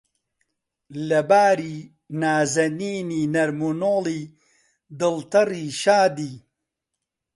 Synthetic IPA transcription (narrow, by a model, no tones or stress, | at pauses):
lɐbaːɾi | naːzɐniːninɐɾmunoli | d̪əlt̪ɐɾiʃaːd̪i